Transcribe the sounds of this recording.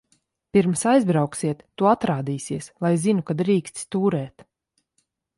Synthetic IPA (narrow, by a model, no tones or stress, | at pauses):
piɾmsajzbɾawksiɛt̪ːuat̪ɾaːd̪iːsiɛslˠajzinukad̪ɾiːkst̪st̪uːɾɛːt̪